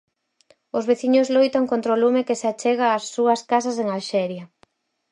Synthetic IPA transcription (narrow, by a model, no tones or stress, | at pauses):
ʊzβeθiɲʊzlojt̪aŋkont̪ɾolumekeseat͡ʃɛɣaːsːuɐskas̬aseŋalʃɛɾjɐ